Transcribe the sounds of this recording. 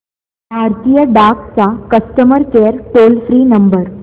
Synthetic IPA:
bʱaɾt̪ijəɖakt͡sakəsʈ̪əməɾkeɾʈolfɾiːnəmbəɾ

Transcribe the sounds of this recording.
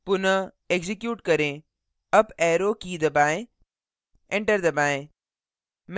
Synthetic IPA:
pʊnə | eɡzɪkjuːʈkɐɾẽː | ɐbɛːɾokid̪ɐbaːẽ | ẽɳʈəɾd̪ɐbaːẽ | m

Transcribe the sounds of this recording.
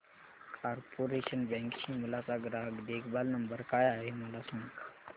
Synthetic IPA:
kʰaːɾpoːɾeʃənbɛ̃ːŋkʃĩmulasaɡɾaːɡd̪eːkbalnɐmbəɾkaːjaːɦimɐlasɐ̃ŋk

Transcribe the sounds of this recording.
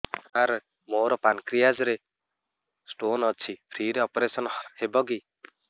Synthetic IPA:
aɾ | moɾɔpankɾijad͡zɾe | sʈonʌt͡sʰipʰɾiɾeɔpɾesɔnhebɔɡi

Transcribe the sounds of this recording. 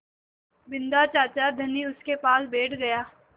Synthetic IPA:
bɪ̃nd̪at͡ʃaːt͡ʃad̪ʱɐniʊskepaːlbeːʈʰɡɐjaː

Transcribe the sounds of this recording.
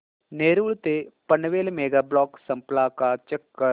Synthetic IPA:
neːɾuːɭt̪epənʋeːlmeːɡaːblɔːksə̃mplaːkat͡ʃɛkːə

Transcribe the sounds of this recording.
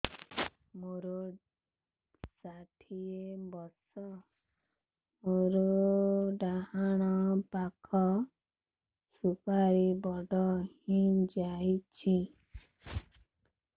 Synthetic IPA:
moɾo | saʈʰiebɔsɔ | moɾoɖaɦaɽ̃ɔpakʰɔ | supaɾibɔɖɔhid͡ʒajt͡ʃʰi

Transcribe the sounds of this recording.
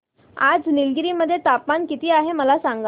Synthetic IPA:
a̰d͡znilɡɾiːməd̪ʱːjet̪apmankit̪iːaɦeməlasãŋɡa

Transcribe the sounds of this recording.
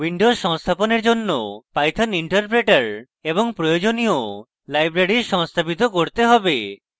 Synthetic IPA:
wiɳɖozʃɔŋst̪ʰaponeɾd͡ʒonːopajt̪ʰaniɳʈɔɾpɾeʈaɾ | eboŋpɾojod͡ʑonijo | lajbɾaɽiʃɔŋst̪ʰapit̪okoɾt̪eɦɔbe

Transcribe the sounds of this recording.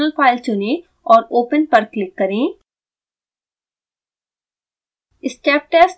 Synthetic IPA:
əlfaːɪlt͡ʃʊnẽ | ɔːɾoːpənpɐɾklɪkːɐɾẽː | ɪsʈeːp̚ʈɛːs

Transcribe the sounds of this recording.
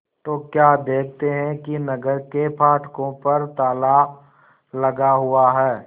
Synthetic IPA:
t̪oːkjaːd̪eːkʰt̪eɦɛ̃kinɐɡəɾkepʰaːʈkõpɐɾt̪aːlaː | lɐɡaɦʊaɦɛː

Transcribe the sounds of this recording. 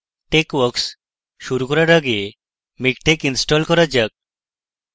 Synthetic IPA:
ʈekwɔks | ʃuɾukɔɾaɾaɡe | mikʈekinsʈɔlkɔɾad͡ʒək̚

